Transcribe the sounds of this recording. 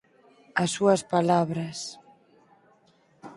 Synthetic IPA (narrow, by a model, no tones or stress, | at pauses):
asːuɐspalaβɾɐs